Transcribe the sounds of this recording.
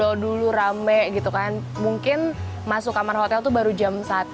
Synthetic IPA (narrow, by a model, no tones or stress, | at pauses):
ɔduluɾamɛʔɡit̪ukan | muŋkɪn | masʊkamarhot̪ɛlt̪ubaɾud͡ʒamsat̪